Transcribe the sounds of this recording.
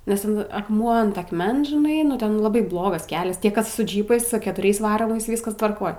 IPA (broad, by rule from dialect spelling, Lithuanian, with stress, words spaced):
nʲɛs ˈtʲɛn ɐkˈmuɔ ɐnt ɐkˈmʲɛns ʒʲɪˈnɐɪ nʊ ˈtʲɛn lˠɐˈbɐɪ ˈblˠoːɡɐs ˈkʲæːlʲɛs ˈtʲiɛ ˈkɐs sʊ ˈd͡ʒʲiːpɐɪs sʊ kʲɛtʊˈrʲɛɪs ˈʋɑːroːmɐɪs ˈʋʲiːskɐs tʋɐrˈkoːj